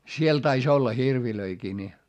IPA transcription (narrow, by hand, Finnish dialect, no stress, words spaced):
siel tɑis olːɑ hirʋiløikiː ni